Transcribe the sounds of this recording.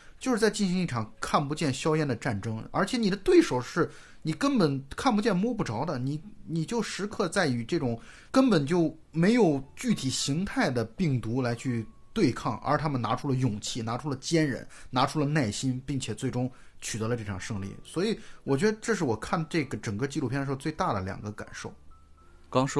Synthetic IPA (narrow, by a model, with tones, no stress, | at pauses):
t͡ɕjʊʂɻ̩˥˩t͡sa˥˧ɪt͡ɕi˥˩nɕi˧˥ŋi˥˩ʈ͡ʂʰɑ˨˩ŋkʰa˥˩npu˧˥t͡ɕjɛ˥˩nɕjɑ˥ʊjɛ˥nd̪ə˨ʈ͡ʂa˥˩nʈ͡ʂɤ˥ŋə̰˞˧˥t͡ɕʰjɛ˧˥ni˨˩d̪ə˦t̪we˥˩ɪʂo˨˩ʊʂɻ̩˥˩ | ni˨˩kə˥npə˨˩nkʰa˥˩npu˧t͡ɕjɛ˥˧nmwɔ˥pu˥˩ʈ͡ʂɑ˧˥ʊd̪ə˨ni˨˩ni˨˩t͡ɕjo˥˩ʊʂɻ̩˧˥kʰɤ˥˧t͡sa˥˩ɪy˨˩ʈ͡ʂɤ˥˩ʈ͡ʂʊ˨˩˦ŋ | kə˥npə˨˩nt͡ɕjo˥˩ʊ | me˧˥ɪjo˨˩ʊt͡ɕy˥˩t̪ʰi˨˩ɕi˧˥ŋt̪ʰa˥˩ɪd̪ə˩pi˥˩ŋt̪u˧˥la˧˥ɪt͡ɕʰy˥˧ | t̪we˥˧ɪkʰɑ˥˩ŋʔə̰˞˧˥t̪ʰa˥mə˨na̰˧˥ʈ͡ʂʰu˥lə˨˧jʊ˨˩ŋt͡ɕʰi˥˩na˧˥ʈ͡ʂʰu˥lə˨t͡ɕjɛ˥nɻə̰˧˥nna˧˥ʈ͡ʂʰu˥lə˨na˥˩ɪɕi˥npi˥˩ŋt͡ɕʰjɛ˨˩t͡swe˥˩ɪʈ͡ʂʊ˥ŋ | t͡ɕʰy˨˩t̪ɤ˧˥lə˧ʈ͡ʂɤ˥˩ʈ͡ʂʰɑ˨˩ŋʂɤ˥˧ŋlḭ˥˩swɔ˧˥i˨˧˩wɔ˨˩t͡ɕɥɛ˧˥d̪ə˧ʈ͡ʂɤ˥˧ʂɻ̩˥˩wɔ˨˩kʰa˥˧nʈ͡ʂɤ˥˩ɡə˩ʈ͡ʂə˨˩ŋkə˥˧t͡ɕi˥˧lu˥˧pʰjn˧˥˧t͡swe˥˧ɪt̪a˥˩d̪ə˩ljɑ̰˨˩ŋɡə˦ka̰˨˩nʂo˥˩ʊ | kɑ˥ŋ˥